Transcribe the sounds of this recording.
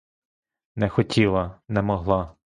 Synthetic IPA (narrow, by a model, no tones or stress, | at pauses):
nɛxɔtʲʰilˠɐnɛmɔɦlˠɑ